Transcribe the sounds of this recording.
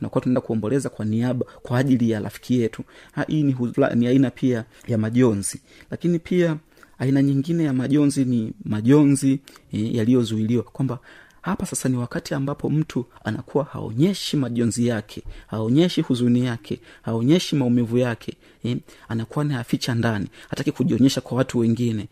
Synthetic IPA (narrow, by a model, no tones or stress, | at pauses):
nakuwatunɛnakuɔmbɔlɛzakwaniaɓakwaːʄilijala̰fi̥kʰijɛtʰuaiːniua̰niainapʰia | jamaʄɔnzi | lakinipʰia | ainaɲiŋɡinɛjamaʄɔnzinimaʄɔnzijalijɔzuiliwakwamba | hapasasaniwakatiambapɔm̩tʰua̰nakʰuwaha̰ɔ̰ɲɛʃimaʄɔnzijakʰɛhaɔɲɛʃihuzunijakʰɛ̰haɔɲɛʃimaumivujakʰɛ | anakuwanajafit͡ʃandanihatakikuʄiɔɲɛʃakwawatuwɛŋɡinɛ